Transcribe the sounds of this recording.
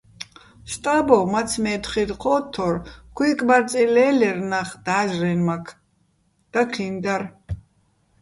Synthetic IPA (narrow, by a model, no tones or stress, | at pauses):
ʃt̪ʼabɔmat͡sʰmɛːt̪χid̪qʰɔːt̪ʰːɔɾkʰwiːkʼbaɾt͡sʼilɛːlɛrnaχd̪̥aːʒrɛnmakʰ | d̪̥akʰlind̪ar